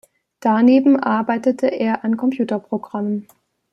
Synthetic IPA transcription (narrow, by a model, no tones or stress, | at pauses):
d̥aneːbm̩ʔa̰ɐbaɪtətʰəʔeːɐʔankʰɔmpj̥uːtɐpʁ̥oɡʁamən